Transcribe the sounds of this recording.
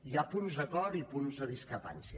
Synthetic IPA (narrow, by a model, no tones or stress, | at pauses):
japunzðəkɔɾipunzðəðiskɾəpa̰nsjə